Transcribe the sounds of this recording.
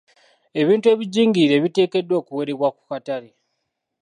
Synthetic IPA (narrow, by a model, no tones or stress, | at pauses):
e̞βiːntue̞ːβiɟiːŋɡiɾe̞βite̞ːke̞dːwo̞ːkuwe̞ɾe̞βwaku̥katale